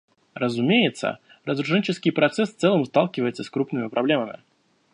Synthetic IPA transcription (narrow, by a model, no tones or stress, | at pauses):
ɾəzʊmʲejɪt̪sə̰ | ɾəzɾʊʂɛnʲt͡ɕɪskʲɪjpɾɐt̪sɛsft̪ɛlˠəmst̪alˠkʲɪvəjɪt̪səskɾupnɨmʲɪpɾʔɐblʲeməmʲɪ̰